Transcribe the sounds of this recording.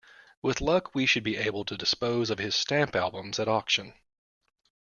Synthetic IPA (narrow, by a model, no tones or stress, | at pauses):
wɪðlʌkʰwiʃɨd̚biʔeɪbl̩ˠtʰɨdɨspoʊzʌv̥ɨz̥stæ̃mpælˠbə̃mzɨɾɑkʃɨ̃n